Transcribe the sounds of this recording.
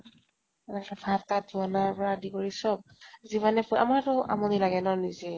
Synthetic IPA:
ɛnaktabʱataduɔnaɹpɔɹadikoɹisɔb̚zibanɛpɔʔa̰maɹtʊʔa̰mɔnilaɡɛnɔnizɛ

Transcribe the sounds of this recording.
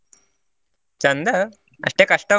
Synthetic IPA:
t͡ɕɐnd̪ə | ɐ̰ʂʈekɐʂʈə

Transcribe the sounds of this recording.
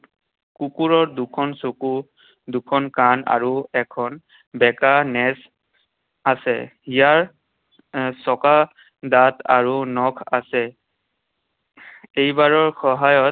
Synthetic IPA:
kukuɹɔɹdukʰɔnsoku | dukʰɔnkana̰ɹuɛkʰɔn | bɛkanɛs | asɛ̰ijaɹ | sɔka | dataɹunɔkʰa̰sɛ | ejbaɹɔɹxɔɦajɔt̚

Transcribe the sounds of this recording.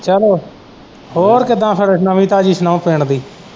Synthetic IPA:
t͡ʃəloː | hoːɾkɪd̪ãːpʰɪɾsnəʋĩːt̪ãːd͡ʒiːsnoːpeːɳd̪iː

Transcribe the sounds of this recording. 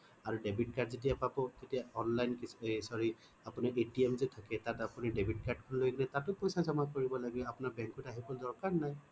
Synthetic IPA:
aɹudebʱit̚kaɹzet̬ijapabɔtetijaɔnlajnkisɔɹi | apuniʔetiemzɛtʰakɛtatapunidebʱitkaɹd̚kʰɔnlojkɡinɛtatʊpɔjsazamakoɹibɔlaɡilɛapunaɹbɛŋkutaɦibɔldɔɹkaɹnaj

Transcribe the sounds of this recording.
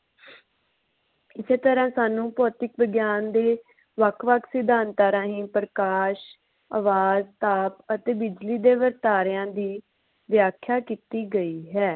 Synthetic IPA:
ɪseːt̪əɾãːsaːnũːpɔːt̪ɪkʋəɡjaːnd̪eː | ʋəkʰʋəkʰsɪd̪ãːnt̪aːɾãːɦĩːpɾəkaːʃ | a̰ːʋaːzt̪aːpət̪eːbɪd͡ʒliːd̪eːʋəɾt̪aːɾɪjãːd̪iː | ʋjaːkʰːjaːkiːt̪iːɡəiːɦɛː

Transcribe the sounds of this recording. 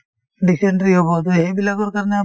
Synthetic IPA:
ɖiseɳʈɾiɦobɔt̪oɦebilaɡɔɾkaɾɔnea

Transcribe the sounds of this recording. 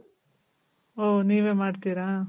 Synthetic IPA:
oːniːʋeːmaːɖt̪iɾãː

